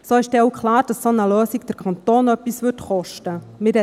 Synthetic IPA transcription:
soːɪʃd̥ɛoʊkʰlaːɾd̥ɑsːonəløːsiɡd̥əɾkʰɑntoːnœpːisʋʏtχɔʃtəmɪɾɛ

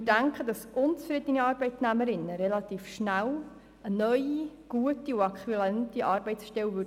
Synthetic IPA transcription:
ɪdæŋkχəd̥ɑsʔʊnt͡sfɾɪdəniɑːɾbɛɪtnæməɾɪnːəɾɛlɑtiːfʃnæl | ənœʏiɡ̥uətiuɑkχylɛntiʔɑːɾbɛɪtsʃtɛlʋʏ

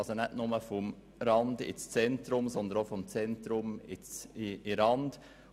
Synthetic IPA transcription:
sonɛtnʊməfɔm | ɾɑnd̪ɪ̰t͡st͡sɛntɾʊmsɔnd̪ənofɔmt͡sɛnt̪ɾʊmɪt͡sɪɪɾɑnd̥

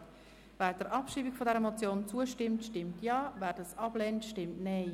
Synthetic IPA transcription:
vɛːd̥əɾʔɑpʃiːbikfɔdɛʁəmot͡sjoːnt͡suəʃtɪmtʃtɪmtjɑːvæːɾdɑsɑb̥lɛːntʃtɪmtnɛɪ

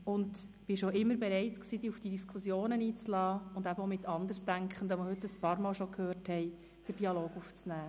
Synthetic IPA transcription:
ʊnd | b̥ɪʃoʔɪmːəɾbɛɾɛɪtksiːd̥̪iːufd̥idiskʰχusjoːnəniːt͡slɑːʊnd̪æbəomɪt̪ɑnd̪əɾsdæŋkχən̩d̪ɑməhʏtːəspɑːɾmɑːlʃokʰhøːɾthɛɪ | d̥əɾd̥iɑloːɡuft͡snæː

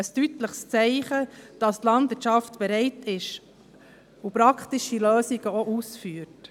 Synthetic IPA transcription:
əstytləχst͡sɛɪχəd̥ɑst̪lɑndɪtt͡ʃʃɑftb̥ɛɾɛɪtʰɪʃ | upɾɑkχtiʃiløːsiɡ̥əoʔuːsfyːəɾt

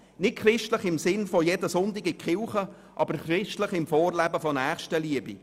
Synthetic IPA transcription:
nɪt̚kχrɪʃtləχɪmsɪnfɔjɛdəsʊndɪɡɪkχɪlχə | ʔɑbəɾχrɪʃtləχɪmfoːrlæbəfɔnæːχʃtəliəbḭ

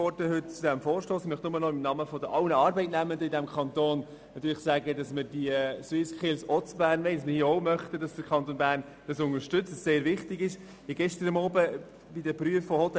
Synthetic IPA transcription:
ɔɾdəɦʏt̚t͡sud̥ɛmfɔːɾʃtoːsɪmœχtnʊmːənɔɪmnɑməfɔdəʔɑwnəɑːɾbɛɪtnæməndəidɛmkʰχɑnt̪oːn | nɑt̪yːɾlɪχsæːɡədɑsməɾdiəswɪskɪlsɔt͡sb̥æːɾnmɛɪsməhiːəoʊmœχtəd̥ɑsd̥əɾkʰɑnt̪oːnbæːɾn | d̥ɑsʊnəʃtʏt͡səsseːɾʋɪχtɪɡɪʃ | iɡɛʃtəɾəmɔːbə | b̥idəpɾyəfːɔhɔtɛ

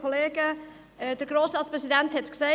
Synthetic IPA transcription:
oleːɡ̥ə | ɛd̥əɾɡ̥ɾoːsɾɑːtspɾɛsidænthɛtksɛɪ

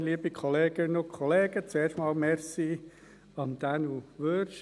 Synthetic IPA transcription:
liːbikʰɔleːɡ̥ənokʰɔleːɡ̥ət͡sueːɾʃtmɑːlmɛɾsi | ɑmd̪ænuʋøʃ

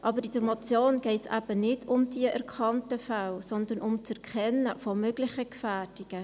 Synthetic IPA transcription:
ʔɑbəɾɪd̥əɾmot͡sjoːnɡ̥ɛɪtsæ̰b̥ənɪdʊmdiəʔɛɾkʰɑntəfalsɔndənʔʊmt͡sɛɾkʰχɛnːəfɔmøɡlɪçəkfæːd̥iɡ̥ə

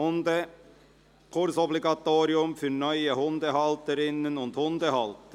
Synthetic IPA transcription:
ʊnd̪ə | kʰʊɾsɔblɪɡɑt̪uːɾɪʉmfœɾnœʏəhʊnd̪əhɑlt̪əɾɪnːənɔnt̪hʊnd̪əhɑlt̪ə

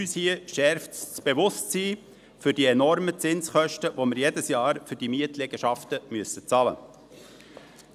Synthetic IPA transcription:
yːshiəʃɛɾfb̥eʋʊstsiː | fʏɾdiɛnɔɾmət͡sɪnsχœʃtəʋoməɾjedəsjɑːɾfʏɾd̥imiətlɛɡ̥əʃɑftəmyəsət͡sɑlə̰

